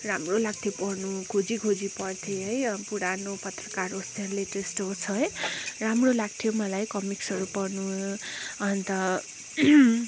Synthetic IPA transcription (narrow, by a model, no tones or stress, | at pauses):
ramrolaɡ̚t̪ʰjopʌrnukʰod͡zikʰod͡zipʌrt̪ʰeɦʌjpuɽanopʌt̪rʌkarost̪eɦʌɾuleʈesʈɦot͡sʰʌɦʌjramrolaɡ̚t̪ʰjomʌlajkʌmiksʌɾupʌrnu | ʌnt̪ʌ